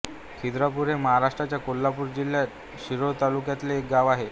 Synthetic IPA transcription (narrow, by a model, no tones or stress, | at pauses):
kʰid̪ɾap̬uɾeməɦaɾaʂʈɾat͡ɕjakolːapuːɾd͡ʑilːjat̪ | ɕiɾot̪alukjat̪leːk̚ɡaʋaɦe